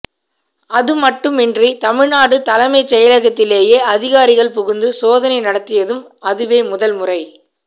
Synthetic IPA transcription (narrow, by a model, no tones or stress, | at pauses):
ɐðɯmɐʈːɯmɪndrit̪ɐmɪɻnaːɽɯt̪ɐlɐmɐɪt͡ʃːɛjɐlɐɣɐt̪ːɪleːjeːɐðɪɣaːɾɪɣɐɭpʊɣʊnd̪ɯsoːðɐnɐɪnɐɽɐt̪ːɪjɐðɯm | ɐðɯʋeːmʊðɐlmʊrɐɪ